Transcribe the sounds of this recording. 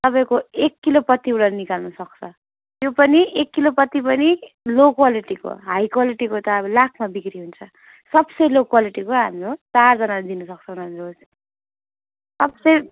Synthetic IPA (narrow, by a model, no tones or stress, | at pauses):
t̪ʌpaĩkoekːilopʌt̪ːiuɽanikalnʌsʌk̚t͡sʰʌ | t̪jopʌniekːilopʌt̪ːipʌni | lokwaliʈiko̰ɦajkwaliʈikot̪ʌbʌlakʰmabikɾiɦunt͡sʰʌ | sʌbsʌjlokwaliʈikoɦamɾot͡sard͡zʌnalad̪inʌsʌk̚t͡sʰʌbʱʌnɦamiɾos | sʌbsʌj